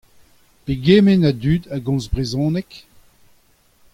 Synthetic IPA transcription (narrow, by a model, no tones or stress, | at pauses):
peɡemenad̪yːd̪aɡɔ̃zbʁezɔ̃ːnɛk